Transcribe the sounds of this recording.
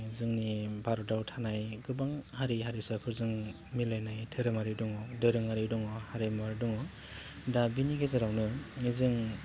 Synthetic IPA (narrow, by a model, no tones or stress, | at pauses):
zɯŋnibaɾɔdawtʰanajɡɯbaŋhaɾiɦaɾisɯkʰɯɾzɯŋ | milajnajtʰɯɾɯmaɾidɔŋɔdɯɾɯŋaɾidɔŋɔhaɾimaɾdɔŋɔ | dabiniɡezaɾawnɯnizɯŋ